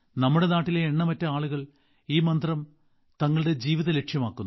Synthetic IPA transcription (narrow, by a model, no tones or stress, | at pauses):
nɐmːuɽe̞naːʈːileːɳːɐmɐtːɐaːɭuɣɐɭ | iːmɐnd̪rɐm | t̪ɐŋːɐɭɽe̞d͡ʑiːʋiðɐle̞kʂjɐmaːkːunːu